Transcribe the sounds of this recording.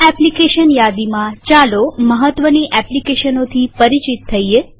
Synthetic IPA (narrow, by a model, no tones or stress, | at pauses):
ɛplikeʃənjad̪imãt͡ʃaloməɦət̪ʋəniʔɛplikeʃənot̪ʰipəɾit͡ʃit̪ʰːəie